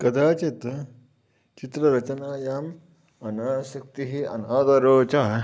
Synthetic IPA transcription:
kɐd̪aːt͡ʃet̪ | t͡ʃit̪ɾɐɾɐt͡ʃɐnaːjaːm | ɐnaɕɐk̚t̪iɦiːɐ̰naːd̪ɐɾoːt͡ʃa

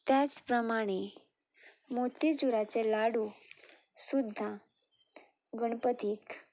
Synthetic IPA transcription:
t̪jat͡spɾəmaɽ̃e | mot̪it͡suɾat͡selaɽu | sud̪ʱːã | ɡəɳ̃pət̪iːk

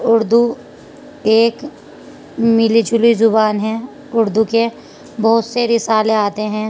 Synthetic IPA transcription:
ʊɾd̪u | eːk | mɪlid͡ʒʊlizʊbaːnɦɛ̃ | ʊɾd̪uke | bɐɦʊt̪seɾɪsaːleaːt̪eɦɛ̃ː

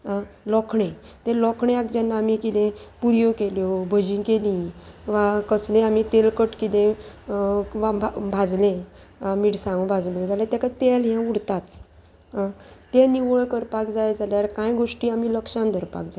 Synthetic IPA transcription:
ɦalɔkʰɳe | t̪ẽlɔkʰɳẽakd͡ʑanːaːmikit̪ẽpuɾjokeljobʱəd͡ʑĩkelĩʋakəslẽamit̪elkəʈkit̪ẽ | ʋabʱad͡zlẽ | miɽsãɡũbʱad͡zlõd͡zalẽt̪ɛ̃kat̪elɦjãuɽt̪at͡s | ɦat̪eniʋoɭkəɾpakd͡zajd͡zalaɾkãjɡoʂʈiːamiləkʂãnd̪ʱəɾpa̰kd͡zaj

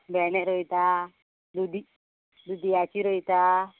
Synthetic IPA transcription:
bɛnɛɾɔjt̪a | d̪ud̪i | d̪ud̪iat͡ʃiɾəjt̪a

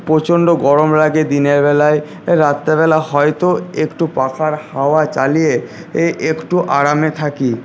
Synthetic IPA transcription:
pot͡ɕonɖoɡɔɾomɾaɡed̪ineɾbɛlae | ɾat̪ːebɛlahɔjt̪oekʈupakʰaɾhaoat͡ɕalije | eʔekʈuʔaɾamet̪ʰaki

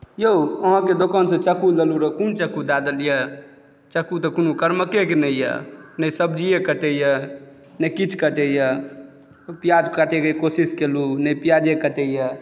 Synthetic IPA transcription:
joəɦãked̪okansə̃t͡ʃəkuləluɾəkunt͡ʃəkud̪ad̪əljə | t͡ʃəkut̪əkunukəɾməkekenəijə̰nəjsəbd͡ʒijekət̪ɛjə | nəjkit͡ʃʰkət̪ɛjə | pijad̪kəʈekekosiskelunəjpijad̪ekət̪ɛjɛ

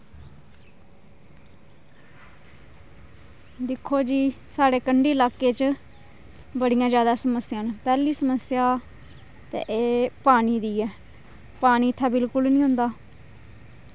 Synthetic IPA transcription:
d̪ɪkʰːoːd͡ʒiː | saːɽeːkəɳɖiːlaːkeːt͡ʃ | bəɽijãːd͡ʒjaːd̪aːsəməsɪjãːnpɛːliːsəməsɪjaː | t̪ḛ̃ːʔeːpaːniːd̪iːɛː | paːniːt̪ʰːaːbɪlkʊlnĩːɦʊ̃nd̪aː

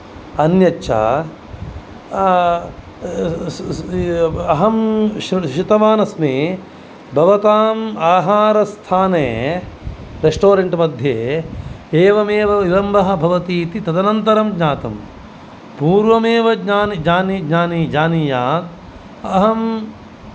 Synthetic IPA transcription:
ɐnjɐt͡ʃʰa̰ː | ɐɦɐmʃɾʃit̪ɐʋaːnɐsmeː | bʱɐʋɐt̪aːmaːɦaːɾɐst̪ʰaːneː | ɾesʈoːɾeɳʈmɐd̪ʱjeː | eːʋɐmeːʋɐiɾɐmbɐɦɐ̆bʱɐʋɐt̪iːt̪it̪ɐd̪ɐnɐnt̪ɐɾɐmɡɲaːt̪ɐ̰m | puːɾʋɐmeːʋɐɡɲaːniɡɲaːniɡɲaːniːd͡ʒaːniːjaːt̪ | ɐɦɐm

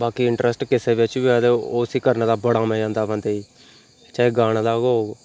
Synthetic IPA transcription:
baːkiːɪɳʈɾʔəsʈkɪseːbet͡ʃbiaːd̪eoːsiːkəɾnaːd̪aːbəɽaːmɛ̃ːd͡ʒãːnd̪aːbə̃nd̪eiː | t͡ʃaːeːɡaːɽ̃laːɡooːɡ

